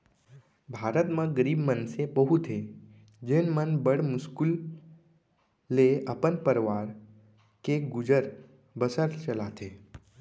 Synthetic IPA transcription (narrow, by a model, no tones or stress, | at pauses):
bʱaːɾət̪mãɡəɾiːbmənsepəɦut̪ʰe | d͡ʒenmənbəɽmʊskul | eəpənpəɾʋaːɾ | keɡʊd͡ʒəɾ | bəsəɾt͡ʃəlat̪ʰe